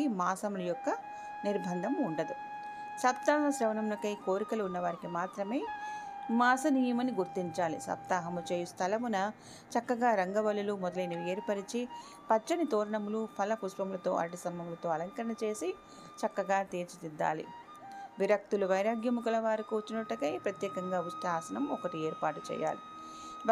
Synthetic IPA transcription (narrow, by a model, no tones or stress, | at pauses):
maːsɐmulɐjɔkːɐ | niɾbʱɐnd̪ʱɐmuɳɖɐd̪u | sɐp̚t̪aːɦɐsɾɐʋɐnɐmlɐkɐjkoːɾikɐluːnːɐʋaːɾikimaːt̪ɾɐme̞ːmaːsɐniːjɐmɐniɡuɾt̪iɲt͡ʃaːlḭsɐ̰p̚t̪aːɦɐmut͡ʃeːjust̪ʰɐlɐmunɐ | t͡ʃɐkːɐɡaːɾɐŋɡɐbɐlːulumɔd̪ɐlɐjnɐʋeːɾpɐɾit͡ʃi | pɐt͡ʃːɐnit̪oːɾɐɳɐmulupʰɐlɐpuʃpɐmulɐt̪o̞̰ːʔɐ̰ɾɐʈisɐmbʱɐmulɐt̪o̞ːɐlɐŋkɐɾɐɳɐt͡ʃe̞ːsi | t͡ʃɐkːɐɡaːt̪eːɾt͡ʃit̪id̪ːa̰ːlḭ | ʋiɾɐk̚t̪uluʋɐjɾaːɡjɐmukulɐʋaːɾikuut͡ʃːinɐʈːɐkɐjpɾɐt̪jɛːkɐŋɡaːusʈ̪aːsɐnɐmɔkɐʈieːɾpaːʈut͡ʃɛ̰ːja̰ːli